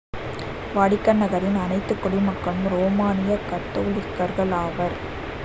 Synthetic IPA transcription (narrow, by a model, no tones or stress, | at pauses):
ʋaːɽɪkːɐnːɐɣɐɾɪnɐnɐɪt̪ːɯkːʊɽimɐkːɐɭɯmɾoːmaːnɪjɐkɐt̪ːoːlɪkːɐɾɣɐɭaːʋɐɾ